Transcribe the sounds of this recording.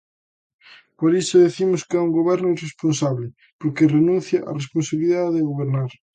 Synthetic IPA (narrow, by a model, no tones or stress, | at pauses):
poɾisʊðiθimʊskɪɛuŋɡoβɛɾnʊiresponsaβlɪ | poɾkerenũnθjɐʔa̰responsaβiliðaðeðeɣoβeɾnaɾ